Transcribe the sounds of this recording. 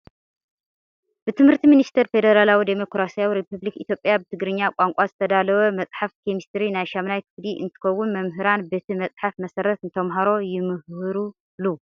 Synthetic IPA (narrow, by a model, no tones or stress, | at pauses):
bɨt̪ʰɨmhɨɾt̪ʰiminist̪ʰɐɾfe̞d̪ɐɾalawid̪emo̞kɾasijawiɾepʰɨβlikit̪ʰʲjo̞pʼjabɨt̪ʰɨɡɾɨɲːakʷʼaŋkʷʼazɨt̪ʰɐd̪alɐwɐmɐt͡sʼħafkʰemist̪ʰɾinajʃamnajk̪ʰɨɡd̪iʔɨ̰nt̪ʰɨ̥kɐwːʊnmɐmɦɨɾanbet̪ʰimɐt͡sʼħafmɐsɐɾɐt̪ɨnt̪ʰɐmɦaɾo̞jɪmɨhɨɾu | lu